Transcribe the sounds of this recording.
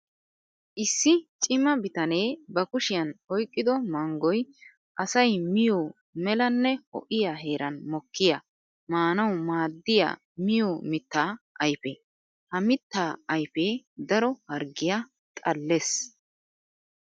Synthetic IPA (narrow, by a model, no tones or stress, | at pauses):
ʔɪsːɪt͡ʃʼɪmɐbɪt̪ɐne̞ːbɐkʊʃɪjɐnɔjkʼːɪd̪ɔmɐŋɡɔj | ʔɐsɐjmɪjoː | mɛlɐnːɛhɔ̰ʔɪjaɦe̞ːɾʔɐnmɔkːɪja | maːnɐwmaːd̪ːɪja̰ː | mɪjoːmɪt̪ːaːʔɐjpɛ | hɐmɪt̪ːaːɐjpeːd̪ɐɾɔhɐɾɡɪja | t̪ʼɐlːes